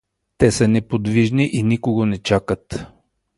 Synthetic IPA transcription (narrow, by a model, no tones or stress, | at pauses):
t̪ɛsənɛpod̪viʒniʔinikoɡonɛt͡ʃakət̪